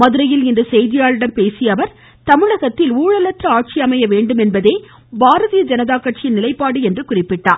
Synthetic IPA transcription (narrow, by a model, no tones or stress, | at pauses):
mɐðɯɾɐjɪlɪnd̪ɐsɛjðɪjaːɻɯɽɐmpeːsɪjɐʋɐɾ | t̪ɐmɪɻɐɣɐt̪ːɪluːɻɐlɐʈrɐaːʈ̚t͡ʃɪɐmɐjɐʋeːɳɖɯmɛnbɐðeː | bʱaːɾɐðijɐd͡ʒɐnɐðaːkːɐʈ̚t͡ʃɪjɪnɪlɐɪpːaːɽɯɛndrɯkʊrɪpːɪʈːaː